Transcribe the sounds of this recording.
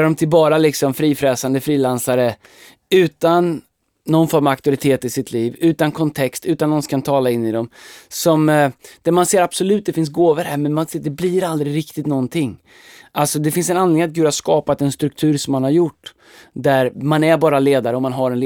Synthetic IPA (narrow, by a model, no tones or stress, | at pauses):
aɾɔmt̪ʰɪlbɑːɾalɪksɔmfɾiːfɾɛsand̪əfɾiːlansaɾə | ʉ̟ːt̪anː | ɔnfɔɾmavak̚t̪ʊɾɪt̪ʰeːt̪ɪsɪt̪ʰliːvʉ̟ːt̪ankʰɔnt̪ʰɛkst̪ʉ̟ːt̪anːɔnskʰant̪ʰɑːlaɪnːɪd̪ɔmsɔmd̪̥ɛmanseːɾab̥sɔlʉ̟ːt̪̚d̪ɛfɪns̬ɡoːvəɾhæːɾmɛnmanseːd̪ɛbliɾald̪ɾɪɾɪk̚t̪ɪt̪nɔnt̪ʰɪŋː | ʔalsɔd̪ɛfɪnsɛnand̪lɪŋnat̪̚ɡʉ̟d̪haɾʂkɑːpat̪ɛnst̪ɾɵk̚t̪ʰʉ̟ːɾʂɔmːanhaɾjʊʈː | d̪æɾmanæɾbɑːɾaleːd̪aɾəɔmanɦaɾɛnl